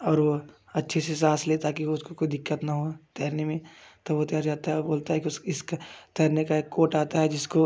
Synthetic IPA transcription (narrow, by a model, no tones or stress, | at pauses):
ɔːɾʋo | ɐtːʃʰeses̬aːsleːt̪aɦɛk̬ioʊskokoːid̪ɪkːət̪naɦot̪ɛːɾnemẽt̪oʋot̪ɐjaːɾd͡ʒaːt̪aɦɛboːlt̪aɦɛkiʊsɪskt̪ɛːɾnekaeːkːoːʈaːt̪aɦɛd͡ʒɪsko